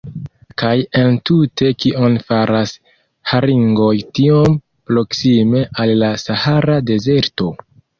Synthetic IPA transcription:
kaje̞ntutʰe̞kiʔo̞nfaɾas | haɾiŋɡojtiom | pɾo̞ksime̞ʔalːasahaɾade̞ze̞ɾto̞

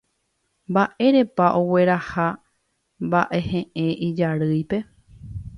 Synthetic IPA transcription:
mbaʔe̞ɾe̞paʔowe̞ɾaha | mbaʔe̞hẽʔẽ̞ʔid͡ʒaɾɨjpe̞

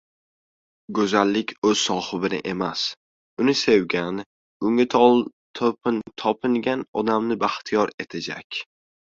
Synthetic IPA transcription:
ɡɵzalːɪkʲʰɵz̥sɒhɨbɪnɪ̰ʔe̞mas | ʊnɪse̞wɡʲan | ʊŋɪt̪ʰlˠ | t̪ʰopt̪ʰɒpʰɪŋɡʲanɒd̪amnɪbaχt̪ʰijɒɾe̞t̪ʰad͡ʒa̰kʲ

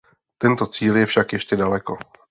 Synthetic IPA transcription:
t̪ɛnt̪o̞t͡siːljɛfʃakjɛʃcɛdalɛko̞

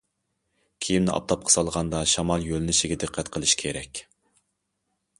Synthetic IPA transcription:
kʲʰijimnɪʔɑ̰p̚t̪ʰɑp̚qʰɑ̥sɑlˠʁɑnd̪ɑʃɑmɑlˠjølnɪʃɪɡʲɛd̪ɨqʰːɛt̪qʰəlˠɨʃkʲʰeɾɛkʲ

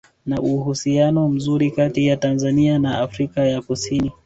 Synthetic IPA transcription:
naʔuhusianɔm̩zuɾikatijatanzanianaafɾikajakusini

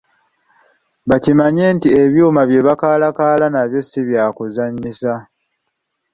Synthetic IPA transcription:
βacimaɲe̞ːntie̞βjuːmaβje̞βakaːlakaːlanaβjo̞siβjaːkuzaɲːisa

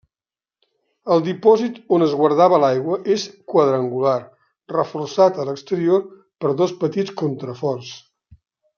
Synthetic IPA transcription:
əlˠd̪ipɔzit̪onəzɣwəɾð̞aβəlajɣwəʔeskwəð̞ɾəŋɡular | rəfursat̪ələkst̪əɾioɾ | pəɾðospət̪it͡skont̪ɾəfɔrs

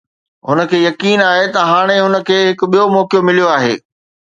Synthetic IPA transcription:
ɦʊnə̆kʰeːjɐkiːnaːɦet̪ɐɦaːɽ̃eɦʊnə̆kʰeːɦɪkʊɓijomɔːkijomɪlijoaːɦḛː

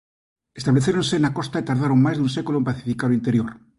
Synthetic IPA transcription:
est̪aβleθjeɾõ̞nse̞ːnakost̪ait̪aɾð̞aɾoŋmazðunsekuloempaθifikaðoint̪e̞ɾjoɾ

